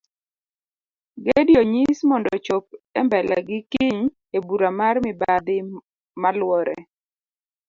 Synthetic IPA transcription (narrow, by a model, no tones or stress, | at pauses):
ɡedjoɲismɔndɔt͡ʃop̚ɛmbɛla̰ɡɪkiɲ | ebuɾamarmɪbad̪ɪ | malwɔɾɛ̰